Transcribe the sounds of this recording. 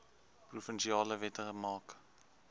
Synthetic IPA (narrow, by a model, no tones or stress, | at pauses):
prufənʃiɑːləvɛtəχəmɑːk